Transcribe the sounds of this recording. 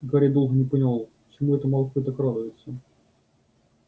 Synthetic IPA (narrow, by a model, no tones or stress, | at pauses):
ɡaɾʲejd̪o̞lˠɣənʲɪpənʲɪlˠalˠpə̥t͡ɕɪmuɛt̪əmɐlˠkut̪akrad̪ʊjɪt̪sə